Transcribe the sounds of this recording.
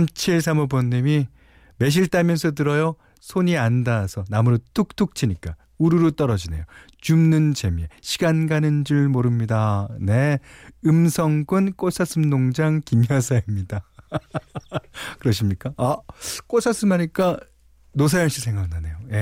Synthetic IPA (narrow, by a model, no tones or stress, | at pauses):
mt͡ɕʰiɭs̬ʰamubonːimi | me̞ɕ̬ʰiɭt͈amjʌnsʰʌt̬ɯɾʌjo | sʰoɲiandasʰʌnamuɾotʰuk̚tʰuk̚t͡ɕʰiɲik͈a | uɾuɾot͈ʌɾʌd͡ʑine̞̰jo | t͡ɕumnɯnt͡ɕe̞mjeɕʰiɡanɡanɯnd͡ʑɯɭmoɾɯmɲidaneɯmsʰʌŋɡɯnk͈os͈ʰas͈ʰɯmnoŋd͡ʑaŋkimjasʰaimɲida | kɯɾʌɕʰimɲik͈aak͈osʰas͈ɯmaɲik͈a | nosʰajʌŋɕ͈ʰisʰe̞ŋaɡnane̞joje̞